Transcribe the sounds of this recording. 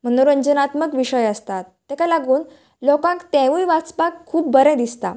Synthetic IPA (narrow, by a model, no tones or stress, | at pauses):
m̤ənoɾuəɲd͡ʑənat̪məkʋiɕəjəst̪at̪ːɛkalaɡuːn | lɔkãkt̪ɛ̃ʋujʋat͡spakʰːuːp̚bəɾɛ̃d̪ist̪a̰